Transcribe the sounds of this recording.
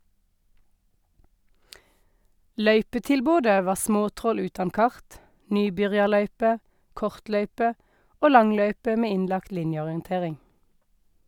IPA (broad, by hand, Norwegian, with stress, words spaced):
ˈlœʏpətɪlˌboːdə ˈʋɑː ˈsmoːˌtʁɔl ˈʉːtɑn ˈkɑʁt ˈnyːˌbʏʁjɑˌlœʏpə ˈkɔʁtˌlœʏpə ˈoː ˈlɑŋˌlœʏpə ˈmeː ˈɪnlɑkt ˈlɪnjəɔʁɪənˌteːʁɪŋ